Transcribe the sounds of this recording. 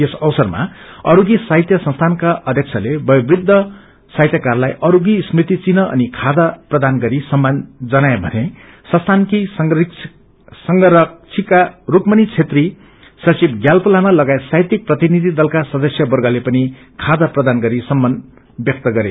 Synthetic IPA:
esʌwsʌrma̰ʌɾuɡisaɦit̪jʌsʌ̃nst̪ʰankaʔʌd̪ʱjʌk̚t͡sʰʌlebʌjbrid̪ʱːʌ | saɦit̪jʌkarlajʔʌɾuɡismrit̪it͡sinʌʔʌ̰nikʰad̪aprʌd̪anɡʌɾisʌmːand͡zʌnaebʱʌne | sʌ̃nst̪ʰankisik | sʌŋɡʌɾʌt͡sʰikarukmʌnit͡sʰet̪ri | sʌt͡sibɡjalpulamalʌɡaet̪sajt̪ik̚prʌt̪inid̪ʱid̪ʌlkasʌd̪ʌsjʌbʌrɡʌlepʌni | kʰad̪ʌprʌd̪anɡʌɾisʌmːʌn | bjʌk̚t̪ʌɡʌɾe

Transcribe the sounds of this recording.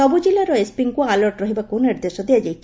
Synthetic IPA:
ɔbud͡ʒilaɾɔespiŋkualɔɾʈɾɔɦibakunniɾd̪esɔd̪ijad͡ʒajt͡ʃʰ

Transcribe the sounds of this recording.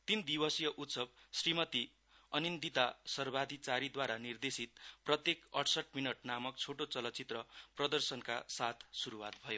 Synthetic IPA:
t̪ind̪ibʌsjʌʔut̪sʌb̚srimʌt̪i | ʌnind̪it̪asʌrbad̪ʱit͡saɾid̪waɾanird̪esit̪̚prʌt̪jekʌʈʰsʌʈminʌʈnamʌkt͡sʰoʈot͡sʌlʌt͡sit̪rʌprʌd̪ʌrsʌnka̰sat̪ʰsuɾuwat̪̚bʱʌjo

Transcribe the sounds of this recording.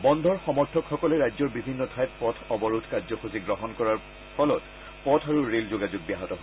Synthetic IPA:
bɔnd̪ʱɔɹxɔmɔɹtʰɔkxɔkɔlɛɹajzɔɹbibʱinːɔtʰajt̚pɔtʰɔbɔɹutʰkazɔxuziɡɹɔɦɔnkɔɹaɹ | pʰɔlɔt | pɔtʰaɹuɹelzoɡad͡ʒʊɡ̚biaɦɔtɔɦo

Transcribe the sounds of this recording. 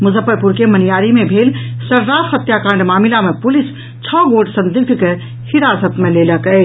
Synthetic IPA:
muzəpːəɾpuɾkemənijaɾimebʱelsəɾːaɾɦət̪jakãɳɖmamilamepulis | t͡ʃʰəɡoɖsə̃nd̪iɡ̚d̪ʱke | hiɾasət̪meleləkə

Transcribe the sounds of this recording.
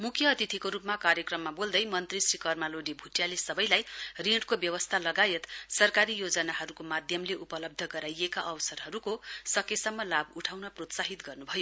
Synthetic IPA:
mukʰjʌːt̪it̪ʰikoɾupmakaɾjʌkrʌmːabold̪ʌjmʌnt̪risrikʌrmaloɖibʱuʈjalesʌbʌjlajriɽkobjʌwʌst̪ʰalʌɡajet̪sʌrkaɾijod͡zʌnaɦʌɾukomad̪ʱjʌmleʔupʌlʌb̚d̪ʱʌɡʌɾajekaʔʌwʌsʌrɦʌɾukosʌkesʌmːʌlabuʈʰawnʌprot̪saɦit̪ɡʌrnubʱʌjo

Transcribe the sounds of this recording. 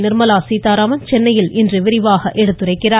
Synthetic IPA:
nɪɾmɐlaːsiːt̪aːɾaːmɐnt͡ʃɛnːɐjɪlɪndrɯʋɪɾɪʋaːɣɐʔɛɽɯt̪ːɯrɐɪkːɪraː

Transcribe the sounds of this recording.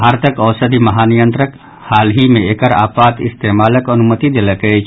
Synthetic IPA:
bʱaːɾt̪əkɔːsəd̪ʱimɐɦaːnijə̃nt̪ɾək | haːlɦimẽeːkəɾa̰ːpaːt̪ɪst̪eːmaːləkɐnʊmət̪id̪eːləkəet͡ʃ

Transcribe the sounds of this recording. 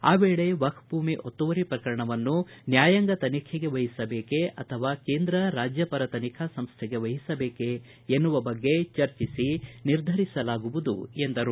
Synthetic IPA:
aːʋeːɭe̞ʋɐkʰbʱuːmiʔot̪ːuʋɐɾipɾɐkɐɾɐɳɐʋɐnːunjaːjɐŋɡɐt̪ɐnikʰeɡe̞ʋɐɦisɐbeːke̞ɐt̪ʰɐʋaːkeːnd̪ɾɐɾaːd͡ʒjɐpɐɾɐt̪ɐnikʰasɐmst̪ʰeɡe̞ʋɐɦisɐbeːke | enːuʋɐbɐɡːe̞t͡ʃɐɾt͡ʃisiniɾd̪ʱɐɾisɐlaːɡuʋud̪ṵe̞nd̪ɐɾu

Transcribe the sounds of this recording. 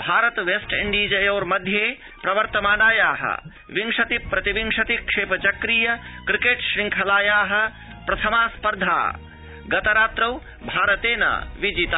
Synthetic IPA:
bʱaːɾɐt̪ʋeːsʈḭɳɖiːd͡ʒɐjɐːɾmɐd̪ʱjeː | pɾɐʋɐɾt̪ɐmaːnaːjaːɦɐ̰ | ʋiŋʂɐt̪ipɾɐt̪iʋiŋʂɐt̪ikʂeːpɐt͡ʃɐkɾiːjɐkɾikeːʈʃɾiŋkʰɐlaːjaːɦɐ̆ | pɾɐt̪ʰɐmaːspɐɾd̪ʱa̰ː | ɡɐt̪ɐɾaːt̪ɾɐw | bʱaːɾɐt̪eːnɐ̰ʋid͡ʒit̪aː

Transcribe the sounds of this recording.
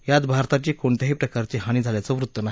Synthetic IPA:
jat̪bʱaɾt̪at͡ɕiːkoɳt̪jaɦiːpɾəkaɾt͡ɕeɦaɽ̃iːd͡zʱaljat͡səʋɾut̪ːənaɦ

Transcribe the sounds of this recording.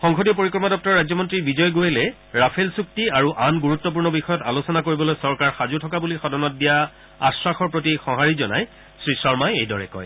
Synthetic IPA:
xɔŋxodijɔpoɹikɹɔmadɔp̚tɔɹːajzɔmɔntɹibizɔjɡojelɛ | ɹapʰelsuk̚tiaɹuʔanɡuɹutːɔp̬uɹnɔbixɔjɔtalosɔnakoɹibɔlojsɔɹkaɹxazutʰɔkabulixɔdɔnɔt̚dija | a̰swaxɔɹpɹot̬ixɔɦaɹizɔna̰j | sɹisɔɹmajejdɔɹɛ̰kɔ̰j

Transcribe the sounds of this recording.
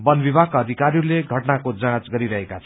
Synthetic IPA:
bʌnbibʱakaʌd̪ʱikaɾirleɡʱʌʈnakod͡zãt͡sɡʌɾiɾʌɦekat͡sʰʌ

